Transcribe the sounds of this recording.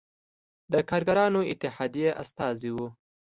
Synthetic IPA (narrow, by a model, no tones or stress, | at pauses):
d̪əkɑːɾɡaɾɑnoɪt̪ːɪhɑːd̪ijeʔa̰st̪ɑːziwu